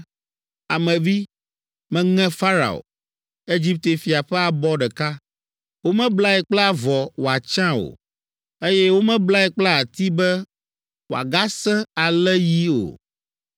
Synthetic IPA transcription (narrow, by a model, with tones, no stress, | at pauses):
a˨mɛ̃˨vi˦ | mɛ̃˦ŋɛ̃˦fa˦ɾa̰˨o̰˨ | e˦d͡ʑi˦p̚t̪e˨fi˨a˨ɸɛ˦a˨bɔ˦ɖɛ˨ka˦ | wo˦mɛ̃˦bla˦ɛ˨k͡plɛ˦a˦vɔ˨wo˨a˨t͡ʃã˦o̰˨ | e˦jɛ˦wo˦mɛ̃˦bla˦ɛ˨k͡pla˦a˨t̪i˦bɛ˦ | wo˨a̰˨ɡa˦sɛ̃˦a˨lɛ˦ji˦o̰˨